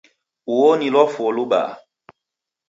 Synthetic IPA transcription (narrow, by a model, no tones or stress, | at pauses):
uwɔnilɔfɔloɓa̰ː